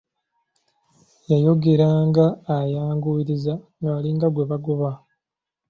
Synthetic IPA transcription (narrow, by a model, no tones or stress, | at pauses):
jajo̞ɡe̞ɾaːŋɡaːjaːŋɡuiɾizaŋɡaːliŋɡaɡwe̞βaɡoβa